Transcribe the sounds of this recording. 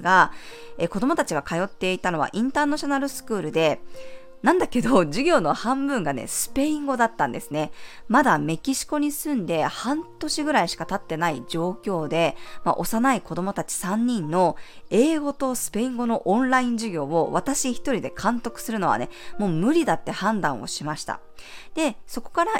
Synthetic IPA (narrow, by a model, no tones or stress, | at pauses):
ɡa | eko̞d̪o̞mo̞t̪at͡ɕiɡakajo̞t̪ːe̞it̪ano̞β̞a̰ʔĩnt̪aːnaɕo̞naɾɯ̟sɨ̥kɯ̟ːɾɯ̟d̪e̞ | nãnd̪ake̞d̪o̞d͡ʑiɡʲo̞ːno̞hãmbɯ̟̃ŋɡane̞̰sɨ̥pe̞ĩŋɡo̞d̪at̪ːãnd̪e̞sɨne̞mad̪ame̞kʲiɕi̥ko̞ɲ̟isɨ̃nd̪e̞hãnt̪o̞ɕiɡɯ̟ɾaiɕi̥kat̪at̪ːe̞naid͡ʑo̞ːkʲo̞ːd̪e̞ma̰ʔo̞sanaiko̞d̪o̞mo̞t̪at͡ɕi̥sãɲ̟ːĩnːo̞e̞ːɡo̞t̪o̞sɨ̥pe̞ĩŋɡo̞no̞ʔõnɾaĩɲ̟d͡ʑiɡʲo̞ːoβat̪aɕiçi̥t̪o̞ɾʲid̪e̞kʰãnt̪o̞kɯ̟̥sɨɾɯ̟no̞βa̰ne̞mo̞ːmɯ̟ɾʲid̪at̪ːe̞hãnd̪ãɰ̃o̞̰ɕimaɕi̥t̪a̰ | d̪̥e̞so̞ko̞̥kaɾa